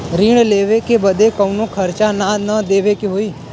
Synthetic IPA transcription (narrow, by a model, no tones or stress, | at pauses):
ɾiɳleːʋekebəd̪ʱekəʊnõkʰəɾt͡ʃananəd̪eːʋekeɦoːiː